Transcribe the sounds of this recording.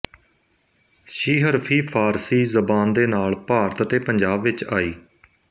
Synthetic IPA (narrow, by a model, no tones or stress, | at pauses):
ʃiːɦəɾpʰiːpʰaːɾsiːzəbaːnd̪eːnaːlpaːɾət̪ət̪eːpəɲd͡ʒaːbʋɪt͡ʃaːiː